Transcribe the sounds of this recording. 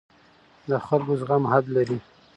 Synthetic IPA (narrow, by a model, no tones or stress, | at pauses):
d̪əxalɡozɣamhad̪laɾi